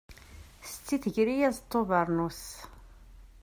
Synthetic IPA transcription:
st͡sːiθəʝɾijæzt̪ˤːovəɾˤnus

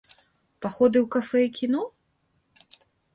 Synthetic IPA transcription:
paxɔd̪ɨwkafɛikʲinɔ

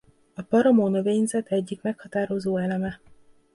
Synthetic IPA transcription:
ɒpɒɾɒmoːnoveːjnzɛt̪ɛɟːikmɛkhɒt̪aːɾo̞zoːɛlɛmɛ

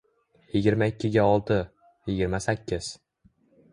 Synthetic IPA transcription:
jɪɡʲɪɾmaɪkʲʰːɪɡʲaɒlˠt̪ʰɪ | jɪɡʲɪɾmasakʲʰːɪz̥

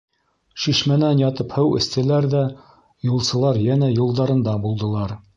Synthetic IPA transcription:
ʃiʃmænænjɑt̪ɤphɘwɘ̰̆st̪æ̆læɾðæ | julˠsɤ̆lˠɑɾjænæjulˠd̪ɑɾɤ̆nd̪ɑbulˠd̪ɤ̆lˠɑɾ

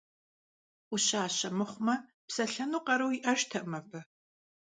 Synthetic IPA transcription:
uɕaːɕɐmɨχʷmɐ | psɐɬɐnuːqʼɐɾɐwiʔɐʒtʰɐʔmɐpʰɨ

